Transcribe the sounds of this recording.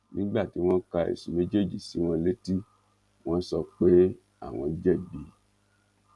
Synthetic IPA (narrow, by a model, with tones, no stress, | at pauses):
nĩ˦ɡ͡ba˦˨ti˨˦w̃ɔ̃˦ka˧ḛ˨su˨mẽ˨˦d͡ʒe˦˨d͡ʒi˨si˨˦w̃ɔ̃˧le˦ti˦ | w̃ɔ̃˦sɔ˧k͡pe˦ | a̰˦˨w̃ɔ̃˧d͡ʒɛ˦˨bi˨˦